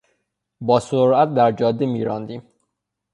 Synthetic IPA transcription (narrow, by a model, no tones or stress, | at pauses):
bɒːsoɾæt̪̚d̪æɾd͡ʒɒːd̪ːimiːɾɒːnd̪iːm